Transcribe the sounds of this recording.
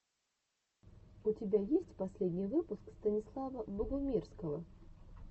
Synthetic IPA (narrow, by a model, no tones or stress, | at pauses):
ʊtʲɪbʲajesʲtʲpɐsʲlʲedʲnʲɪjvɨpʊskst̪ənʲɪslˠavəbəɡʊmʲirskəvə